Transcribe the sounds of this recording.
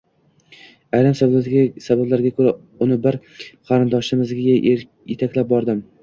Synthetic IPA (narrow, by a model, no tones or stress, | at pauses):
ajɾamsasabablaɾɡʲakʰɵɾa | ʊnɪbɪɾ | qʰɑɾɪnd̪ɒʃɪmɪzɡʲɡʲa | jet̪ʰakʲlap̚bɒɾd̪ɪm